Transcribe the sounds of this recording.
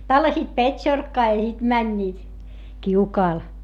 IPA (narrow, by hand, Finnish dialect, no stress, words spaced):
tɑlːɑsiːt petʲʃorkːɑː jɑ sit mænʲːiːt kiukɑːl